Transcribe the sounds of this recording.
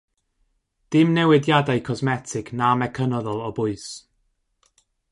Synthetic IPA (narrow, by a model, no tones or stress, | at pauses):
d̥ɪmnɛwɪdjadajkʰɔzmɛtʰɪknamɛkʰənɔðɔlˠɔbʊɨs